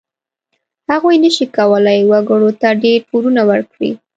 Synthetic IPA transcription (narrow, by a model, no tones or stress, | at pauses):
haɣujnəʃikawəlajwaɡəɽot̪aɖeɾpuɾunawəɾkɽḭ